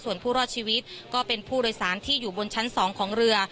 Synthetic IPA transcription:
su˨˩ənpʰuː˥˩ɾɔː˥˩t̪̚t͡ɕʰiː˧wi˦˥t̪̚kɔː˥˩pe˧npʰuː˥˩doː˧jsaː˩˦nt̪ʰiː˥˩juː˨˩bo˧nt͡ɕʰa˦˥nsɔː˩˦ŋkʰɔː˩˦ŋɾɯ˧ɐ

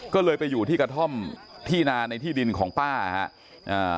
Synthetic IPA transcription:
kɔː˥˩lɤː˧jpa˧jːuː˨˩t̪ʰiː˥˩kɾa˧t̪ʰɔ˥˩mt̪ʰiː˥˩naː˧na˧jt̪ʰiː˥˩di˧nkʰɔː˩˦ŋpaː˥˩˧ha̰˦˥ʔ | ʔaː˧˩

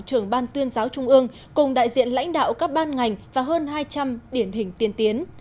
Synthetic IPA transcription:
t͡ɕɨ˨˩əŋɓaː˧nt̪wi˧ənzaː˨˦wt͡ɕʊ˧ŋ͡mʔɨ˧əŋ | kʊ˨˩ŋ͡mɗa̰ː˧˨jzḭ˧˨ənla̰˧˥jŋ̟ɗa̰ː˧˨wkaː˦˥k̚ɓaː˧nŋa˨˩jŋ̟vaː˨˩ɦəː˧nɦaː˧jt͡ɕa˧mɗi˧˩ənɦï˨˩ŋ̟t̪i˨˦ənt̪i˨˦ən

